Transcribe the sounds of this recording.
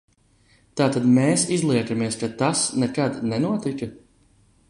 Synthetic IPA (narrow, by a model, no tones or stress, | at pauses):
t̪aːt̪ad̪meːsizlˠiɛkamiɛskat̪asnɛkad̪nɛnuɔt̪ikɨ